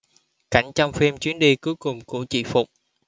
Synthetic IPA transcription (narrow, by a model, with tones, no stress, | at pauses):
ka̰˧˩jŋ̟t͡ɕɔ˧wŋ͡mfi˧mt͡ɕwi˨˦ənɗi˧kɨ˨˦jkʊ˨˩ŋ͡mkṵ˧˩˦t͡ɕḭ˧˨fʊ˨˩k͡p̚